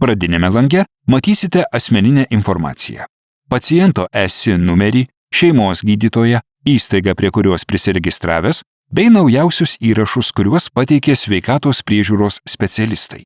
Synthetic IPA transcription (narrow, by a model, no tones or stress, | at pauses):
pɾɐd̪ʲɪnʲemʲɛlˠɐŋʲɡʲɛ | mɐt̪ʲiːsʲɪt̪ʲɛʔɐsʲmʲɛnʲɪnʲɛːʔɪnfɔɾmɑ̰ːt̪sʲɪ̰jæ̰ː | pɐt̪sʲɪjɛnt̪oːʔɛsʲɪnʊmʲɛɾʲiː | ʃʲɛɪmoːsɡʲiːd̪ʲiːt̪oːjɛ | iːst̪ɐɪɡɐpʲɾʲiɛkʊɾʲuɔspʲɾʲɪsʲɪɾʲɛɡʲɪst̪ɾɑːʋʲeːs | bʲɛɪnɒʊjɛˑʊsʲʊsiːɾɐʃʊskʊɾʲuɔspɐt̪ʲɛɪkʲeːsʲʋʲɛɪkɑːt̪oːspʲɾʲiɛʒʲuːɾoːssʲpʲɛt̪sʲɛlʲɪst̪ɐ̰ɪ